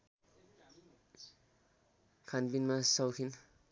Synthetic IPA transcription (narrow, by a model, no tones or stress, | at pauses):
kʰanpinmasʌwkʰin